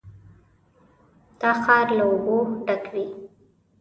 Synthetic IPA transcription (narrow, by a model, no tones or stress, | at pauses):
d̪̥ɑxɑɾlaoboɖakwi